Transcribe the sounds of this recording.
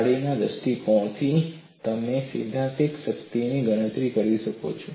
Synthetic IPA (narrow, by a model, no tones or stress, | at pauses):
ɽinad̪əst̪ikɔ̃t̪ʰi | t̪əmesḭd̪ʱãt̪ikʃəkt̪iniɡəɽ̃ə̃t̪ɾikəɾiʃəko̰t͡ʃʰo